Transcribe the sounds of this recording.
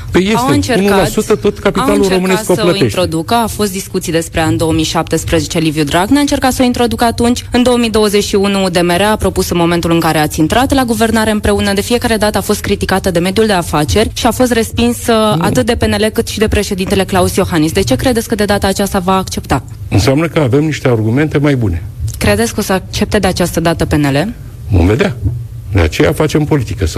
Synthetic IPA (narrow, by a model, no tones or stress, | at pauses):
əjeawɨnt͡ʃeunukalasut̪ət̪o̞t̪kapiawaluleromɨneast̪əsələient̪ɾo̞d̪ukəafo̞st̪d̪iskut̪sijd̪e̞spɾe̞and̪o̞womiʃap̚t̪espɾəzet͡ʃe̞livjud̪ɾaɡnaɨnt͡ʃe̞rkat̪səoint̪ɾo̞d̪ukəat̪unt͡ʃʲɨnd̪o̞womid̪o̞wəze̞t͡ʃʲʃiunud̪e̞meɾeapɾo̞pusɨnmo̞me̞nt̪ulɨŋkaɾe̞at̪sʲint̪ɾat̪laɡuve̞rnaɾe̞ɨmpɾe̞unəd̪e̞fije̞kaɾe̞d̪at̪əafo̞st̪̚kɾit̪ikat̪əd̪e̞me̞d̪juld̪e̞afat͡ʃe̞rʲʃiafo̞s̬t̪re̞spinsa̰t̪ɨt̪̚d̪epe̞ne̞le̞kɨt̪ʃid̪e̞pɾeʃe̞d̪int̪e̞le̞klausjo̞xanisd̪e̞t͡ʃe̞kɾe̞d̪et̪sʲkəd̪e̞d̪at̪aːt͡ʃast̪avaːkt͡ʃe̞pt̪a | ɨnseamnəkəave̞mniʃt̪earɡume̞nt̪e̞majbune̞kɾe̞d̪et̪sko̞səak̚t͡ʃe̞p̚t̪ed̪e̞at͡ʃast̪əd̪at̪əpe̞ne̞le̞ | vo̰mve̞d̪ea | d̪ea̰t͡ʃe̞ja̰fat͡ʃe̞mpo̞lit̪ikəs